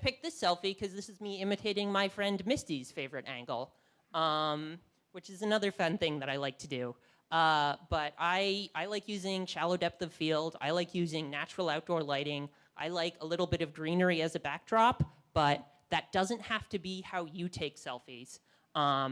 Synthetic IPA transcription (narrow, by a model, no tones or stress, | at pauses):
pʰɪk̚ðɪsɛlˠfikʰʌzðɪsɨzmiɪ̃mɨtʰeɪɾɪ̃ŋmaɪfɹɛ̃ndmɪstiz̥feɪvə˞ɨɾʔæ̰̃ŋɡl̩ˠ | ʌ̃m | wɨt͡ʃɨzɨnʌðə˞fʌ̃nθɪ̃ŋðɨɾaɪlaɪk̚tʰɨdʉ | ʌb̥ʌɾaɪaɪlaɪkjʉzɪ̃ŋʃælˠoʊdɛp̚θʌv̥filˠda̰ɪlaɪkʰjʉzɪ̃ŋnæt͡ʃɹl̩ˠaʊt̚d̥ɔɹlaɪɾɪ̃ŋ | ʔa̰ɪlaɪkəlɪɾl̩ˠbɪɾʌvɡɹĩnə˞iɨzɨbæk̚dɹɑp | b̥ʌt̪̚ | ðɨt̚d̥ʌzɨ̃nʔ̚hæftɨbihaʊjɨtʰeɪksɛlˠfiz̥ | ʔʌ̃